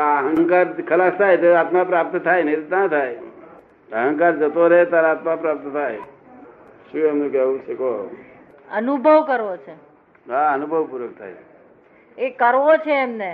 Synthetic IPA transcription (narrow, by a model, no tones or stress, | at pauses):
aɦə̃ŋŋkaɾkʰəlast̪ʰajt̪oaːt̪mapɾap̚t̪t̪ʰajnəid̪t̪at̪ʰae | əɦə̃ŋkaɾd͡ʒət̪oɾeet̪aɾaːt̪mapɾap̚t̪t̪ʰaj | ʃuəmnukeut͡ʃʰeko | ənubʱəʋkəɾʋot͡ʃʰe | aənubʱəʋpuɾək̚t̪ʰa̰ːe | ekəɾʋot͡ʃʰeːmne